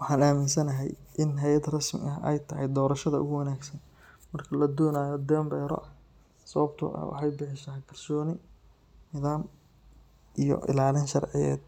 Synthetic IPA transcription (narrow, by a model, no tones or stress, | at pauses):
wɑħɑːnaːmɪnsɐnɐɦɛjʔɪnɦɛjɐd̪rɐsmɪ̰ʔɐɛ̰jt̪ʰɐɦɛjd̪ɔːɾɐʃɐðɐʊ̰ɣʊwɐnaːɡsɐn | mɐrkʰɐlɐd̪ɔːnaːjɔd̪ɛːmbɛːɾɔ̰ | sɐβɐbt̪ʰʊ̰ɐ̰wɑ̰ħɑjbɪħɪʃɐɦkʰɐrsɔːnɪ | nɪðaːm | ʔijɔ̰ʔɪ̰laːlɪnʃɐrʕɪjɛ̰ːd̪̚